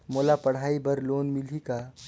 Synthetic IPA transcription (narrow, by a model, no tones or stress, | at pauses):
molapəɽ̤aibəɾlonmilika